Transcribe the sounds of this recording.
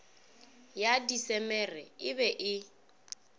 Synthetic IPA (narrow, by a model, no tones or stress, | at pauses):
jadisɛmɛrɛɪbɛʔɪ